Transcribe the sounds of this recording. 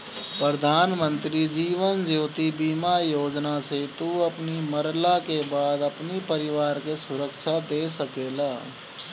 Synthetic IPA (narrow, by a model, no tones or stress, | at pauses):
pɾəd̪ʱaːnmə̃nt̪ɾid͡ʒiːʋənd͡ʒoːt̪ibimajoːd͡ʒnaset̪uɐpniməɾlakebaːd̪əpnipəɾɪʋaːɾkesʊɾəkʃad̪eːsəkeːlaː